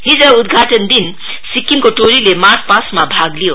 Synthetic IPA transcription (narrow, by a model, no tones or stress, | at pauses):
ɦid͡zəud̪ɡʱaʈənd̪in | sikːimkoʈoɾilemaɾt̚ʰpasmabʱaɡlijo